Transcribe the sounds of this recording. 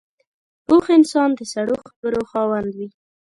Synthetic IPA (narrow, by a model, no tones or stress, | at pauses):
boxɪnsɑnd̪əsaɽoxabəɾoxɑwand̪wi